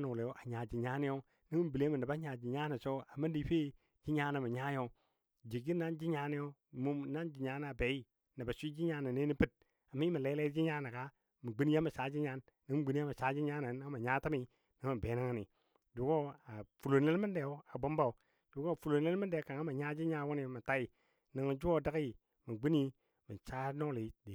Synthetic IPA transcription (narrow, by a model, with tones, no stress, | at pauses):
na˨wu˨le˨o˦ʔa˨ɲa˨d͡ʒi˨ɲa˦ni˦jo˦ | ni˦mu˦m˨bi˨le˦ma˨n˨a˨ba˦ɲa˨d͡ʒi˨ɲa˦na˨so˦a˨ma˦di˨˦ɸe˦ | d͡ʒi˦ɲa˦na˨ma˨ɲa˦jo˦ | d͡ʒi˨ɡi˦na˦nd͡ʒi˦ɲa˦ni˦jo˦ | mu˦na˦nd͡ʒi˨ɲa˦n˨a˨be˨˦ji˦ | na˨ba˨si˦d͡ʒi˦ɲa˦na˨ne˦ni˦pi˦t̚ | a˨mi˦ma˨le˦le˦d͡ʒi˦ɲa˦na˨ka˦ | mu˨ɡ͡bi˦n˦ja˦ma˨sa˨˦d͡ʒi˦ɲa˦nːa˦m˨ɡ͡bi˦ni˦a˦ma˨t͡ʃa˦d͡ʒi˦ɲa˦na˨n˦ŋ˦a˨ɲa˦ta˦mi˨ | na˨˦ma˨be˨˦na˦ŋa˨ni˨ | d͡ʒu˨ɡo˦a˨fu˨lo˨ne˦lmi˦de˨o˦a˨bo˦mba˦˨u˨ | d͡ʒ̥u˨ɡo˦˨fu˨lo˨ne˦lmi˦de˨ka˨ŋa˦ma˨ɲa˦d͡ʒi˦ɲa˦wo˦ni˨ma˨ta˦ji˨ | na˨ŋa˨d͡ʒu˦o˦˨da˦ki˨ | ma˨ɡ͡bi˦ni˦ | mi˨t͡ʃa˦no˦li˨˦di˨